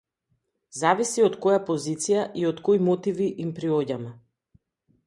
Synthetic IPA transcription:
zavisiɔt̪kɔjapɔzit̪sijaʔiɔt̪kojmɔt̪iviʔimpɾiɔɟamɛ

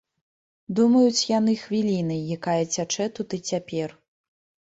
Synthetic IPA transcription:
d̪umɐjut͡sʲjanɨxvʲilʲin̪ɨjjakajɐt͡sʲat͡ʂɛt̪ut̪ɨt͡sʲapʲɛr

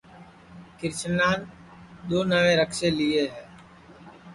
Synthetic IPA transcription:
kɪɾt͡ʃənaːn | d̪oːnəʋẽːɾəkʃeːlɪeːɦɛː

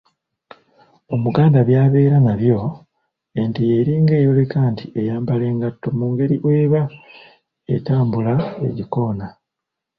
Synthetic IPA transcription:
o̞muɡaːndaβjaːβe̞ːɾanaβjo̞ | entijeɾiːŋɡe̞ːjo̞lekantʰiʔe̞jaːmbale̞ːŋɡatːo̞muːŋɡe̞ɾiʔwe̞ːβa | ḛtaːmbulae̞̰ɟiko̞ːna

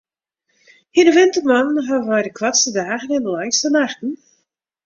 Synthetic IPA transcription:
hinəʋɪntəmanənɦavəʋajdəkʰwatstədaːɣənɪndəlajstənaxtn̩

